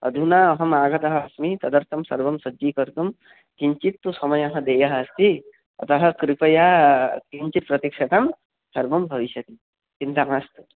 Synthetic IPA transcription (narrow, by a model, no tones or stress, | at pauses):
ɐ̰d̪ʱunaɐɦɐmaːɡɐt̪ɐɦɐːsmit̪ɐd̪ɐɾt̪ʰɐmsɐɾbɐmsɐd͡ʒiːkɐɾt̪um | k̪iɲt͡ʃit̪ːusɔmɐjɐɦɐ̃d̪eːjɐɦːst̪i | ɐ̰t̪ɐɦɐkɾipɐjak̪iɲt͡ʃit̪̚pɾɐt̪ikʂɐt̪ɐm | sɐɾbɐmbʱɐʋiʃjɐt̪i | kint̪amast̪u